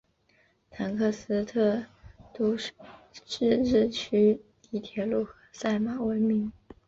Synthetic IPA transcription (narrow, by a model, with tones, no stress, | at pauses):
t̪ʰa˧˥nkʰɤ˥˩sɹ̩˥t̪ʰɤ˥˩t̪o˥ | ʂɻ̩˥˧ɻ̩˥˩t͡ɕʰy˥t̪i˧˩t̪ʰjɛ˧˥lu˥˩xɤ˧˥sa˥˩ɪma˨˩wə˧˥nmi˧˥ŋ